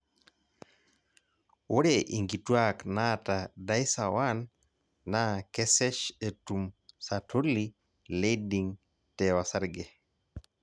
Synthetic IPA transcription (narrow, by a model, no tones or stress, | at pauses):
woɾɛʔḭŋɡitwaknatadajsawanː | akɛsɛʃetumsatʰoli | lediŋ | tɛwasaɾɡɛ